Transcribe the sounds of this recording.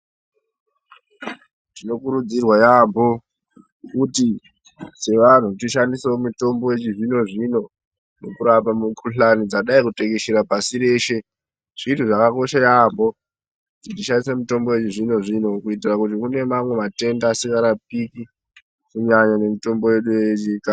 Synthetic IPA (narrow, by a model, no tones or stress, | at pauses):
tino̞kuɾud͡zirwajambo̞ | kuti | se̞ʋan̤utiʃandiseomuto̞mboje̞t͡ʃiʐino̞ʐino̞ | nokuɾapamukʰuɬanid͡zaɗaikute̞keʃiɾapasiɾe̞ːʃe̞ | ʐ̥itʰuʐakako̞ʃajambo̞ | kutitiʃandisemuto̞mbo̞je̞t͡ʃiʐino̞ʐino̞kuitirakutikune̞mamwe̞mate̞ndaːsiŋɡaɾap̚iki | kuɲaɲane̞mito̞mbo̞je̞ɗueɲika